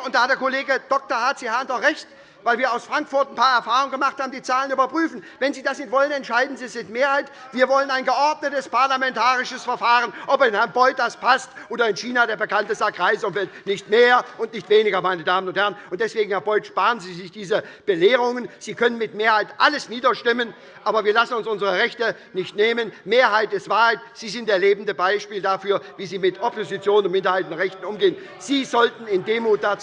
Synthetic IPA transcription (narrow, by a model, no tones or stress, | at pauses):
ʊntd̥aːhatdeːɐkʰoleːɡəd̥ɔk̚tɐhaɐtt͡siːhɛɐntɔʁɛçt | vaɪlviːɐaʊsfʁ̥aŋkfʊɐtn̩pʰaːɐɛɐfaːʁʊŋənŋɡəmaχthaːbm̩diːt͡saːlənyːbɐpʁ̥yːfn̩ | vɛnziːdasnɪtv̥ɔlənɛntʃaɪdn̩ziːsɪtmeːɐhaɪt | viːɐvɔlənaɪnɡəʔɔɐdnətəspaɐlamɛntʰaːʁɪʃəsfɛɐfaːʁənʔɔpɪnhɛɐnbɔʏt̚d̥aspʰastʔoːdɐɪnʃiːnadeːɐbəkʰantəsaɡʁaɪsʊmfɛltnɪçtmeːɐʔʊntnɪçtv̥eːnɪɡɐmaɪnədaːmənʊnthɛʁənʊnt̚d̥ɛsv̥eːɡŋ̩hɛɐbɔʏtʃpaːʁənziːzɪçd̥iːzəb̥əleːʁʊŋənz̥iːkʰœnənmɪtmeːɐhaɪtʔaləsniːdɐʃtɪmən | ʔaːbɐviːɐlasn̩ʊnsʔʊnzəʁəʁɛçtə | nɪçtneːmənmeːɐɦaɪtɪstv̥aːɐhaɪtz̥iːzɪntd̥eːɐleːbm̩dəbaɪʃpiːldafyːɐviːziːmɪtʰɔpʰozit͡sjoːnənʊntmɪndɐhaɪtnʁɛçtn̩ʔʊmɡeːən | z̥iːzɔltn̩ɪndeːmuːt̚d̥at͡s